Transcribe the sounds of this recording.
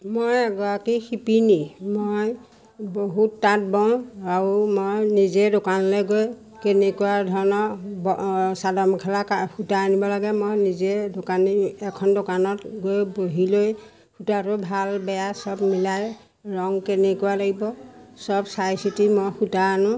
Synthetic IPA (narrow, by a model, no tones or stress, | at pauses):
mojaɡɔakixʰipinimoj | boɦutːat̚bɔw̃aɹumojnizɛdokanlɛɡoj | kenɛkuwaɹdʱɔɹɔnɔbɔsadɔmkʰɛlakahutaanibɔlaɡɛmojnizɛdokaniɛkʰɔndokanɔtɡojboɦiloj | hʰutaɾɔbʱalbɛjasɔbmilaj | ɹɔŋkenɛkuwalaɡibɔsɔbsajsitimojxutajanʊ̃